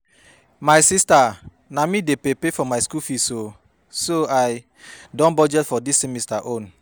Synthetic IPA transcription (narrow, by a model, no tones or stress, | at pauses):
majsista | namidepepefɔmajskufiso | soaj | dɔ̃nbɔd͡ʒɛtfɔdisːimistaʔõn